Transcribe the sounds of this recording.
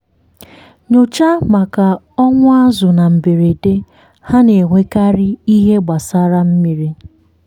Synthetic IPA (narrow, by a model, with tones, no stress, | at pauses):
ɲo˨t͡ʃa˦ma˨ka˨ | ɔ˦ŋʷʊ˦a˦zʊ˨na˨m̩˨be˨ɾe˨de˦ | ha˦ne˨ɦʷe˦ka˦ɾɪ˦i˦ɦe˦ɡ͡ba˨sa˦ɾa˦m̩˦mi˦ɾi˦